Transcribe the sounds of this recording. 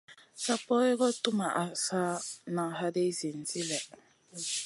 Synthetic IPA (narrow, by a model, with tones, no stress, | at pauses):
sa˦pɔ˦ɛ˦kɔ˦tu˦ma˨ʔa˨sa˦na˨ɦa˦de˦zi˨n̩˨t͡si˦lɛ˨